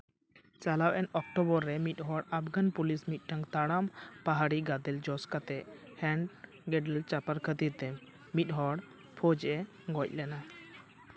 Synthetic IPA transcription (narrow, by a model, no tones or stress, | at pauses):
t͡ʃalawʔɛnɔk̚ʈɔbɔɾːɛmit̪̚ˀɦɔɽapʰɡanpulismit̪̚ˀʈaŋt̪aɽampaɦaɽiɡad̪ɛld͡ʒɔskat̪ɛhɛɳɖ | ɡɛɖəlt͡ʃapaɾkʰət̪iɾt̪ɛ | mit̪̚ˀɦɔɽ | pʰɔd͡ʒʔɛ | ɡɔc̚ˀlɛna